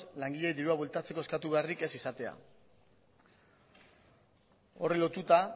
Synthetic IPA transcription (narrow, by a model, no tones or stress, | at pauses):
laŋɡiʎe̞jd̪iɾuaβult̪at͡se̞ko̞skat̪uβearike̞sisat̪e̞a̰ | o̞̰rilo̞t̪ut̪a